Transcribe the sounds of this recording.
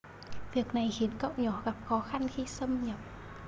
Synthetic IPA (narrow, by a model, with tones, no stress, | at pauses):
vi˨˩ək̚na˨˩jxi˨˦ənkə̰˧˨wɲɔ˧˩ɣa˨˩p̚xɔ˨˦xa˧nxi˧sə˧mɲə˨˩p̚